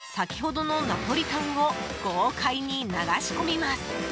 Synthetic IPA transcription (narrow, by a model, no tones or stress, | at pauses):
sakʲi̥ho̞d̪o̞no̞napo̞ɾʲikãŋɡo̞ɡ̥oːkʰaiɲ̟inaɡaɕi̥ko̞mʲimasɨ̥